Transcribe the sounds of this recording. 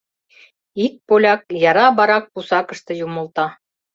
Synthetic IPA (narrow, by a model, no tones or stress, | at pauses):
ik̚polʲɑk̚jɑɾɑbɑɾɑk̚pusɑkɤ̆ʃt̪ɤ̆jumɤ̆lˠt̪ɑ